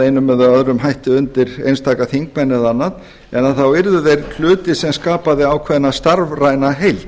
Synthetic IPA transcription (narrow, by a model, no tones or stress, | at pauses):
ejnʏmːɛðaœðɾʏmhajht̪ʏʏnt̪ɪɾejnst̪ʰaːkaθiŋk̚mɛnːɛðanːað | ɛnːaθawɪɾðʏðejɾkʰl̥ʏːt̪ɪsɛmskaːpaðɪawkʰvɛðnast̪aɾvrajnaɦejl